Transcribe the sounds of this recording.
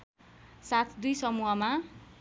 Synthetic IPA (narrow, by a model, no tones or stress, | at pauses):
sat̪ʰd̪ujsʌmuɦʌma